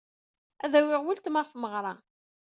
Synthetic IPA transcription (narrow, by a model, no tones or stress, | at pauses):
æðæwɪʁwəlt̪məʁfməʁɾˤɑ